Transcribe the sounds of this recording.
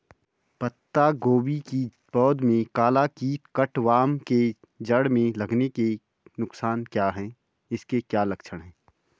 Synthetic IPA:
pɐt̪ːaɡoːbiki | bɔːd̪mẽkaːlakiːtkɐʈʋaːmke | d͡ʒɐɽmẽlɐɡneke | nʊksaːnkjaːɦɛ̃ː | ɪskekjaːlɐkʃʰəɽɦɛ̃ː

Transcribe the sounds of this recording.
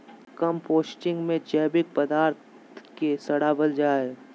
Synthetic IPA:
kɐmpoːsʈɪ̃ŋɡmẽt͡ʃɛːbɪk̚pəd̪aːɾt̪ | kesɐɽabəld͡ʒaːe

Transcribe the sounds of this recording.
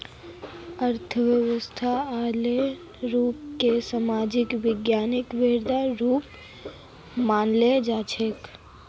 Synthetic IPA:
əɾt̪ʰəʋjəʋəst̪ʰaaːle | ɾuːp̚kesamaːd͡ʒɪkʋɪɡjaːnɪkʋeːɾd̪aɾuːp | maːnled͡ʒaːt͡ʃʰek

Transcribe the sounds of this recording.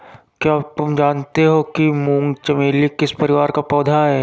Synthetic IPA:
kjaːt̪ʊmd͡ʒaːnt̪eɦokimũːŋɡt͡ʃɐmeːlikɪspɐɾɪʋaːɾkapɔːd̪ʱaɦɛː

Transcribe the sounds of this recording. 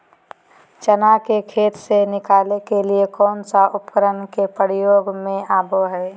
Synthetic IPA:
t͡ʃənakekʰeːt̪senɪkaːlekeliekɔːnsaʔʊpkəɾənkepəɾijoːɡmẽaːboɦɛː

